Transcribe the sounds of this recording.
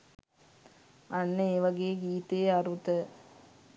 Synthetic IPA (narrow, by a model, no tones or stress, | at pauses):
anːəeːʋɐɡeːɡiːt̪ejaɾut̪ə